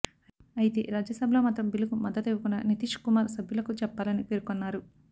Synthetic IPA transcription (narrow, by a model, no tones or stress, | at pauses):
ɐjit̪ḛɾaːd͡ʒjɐsɐbʱɐloːmaːt̪ɾɐmbilukumɐd̪ːɐt̪eʋukunːɐnit̪iʂkumaːɾsɐbʱjulɐkut͡ʃɛpːaːlɐnipeɾukonːaːɾu